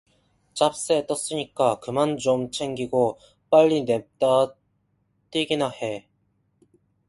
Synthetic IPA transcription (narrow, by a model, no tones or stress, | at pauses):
t͡ɕ͈ap̚s͈et͈ʌs͈ɯɲik͈akɯmant͡ɕomt͡ɕʰe̞ŋɡiɡo | p͈aʎːine̞p̚t͈a | t͈iɡinahe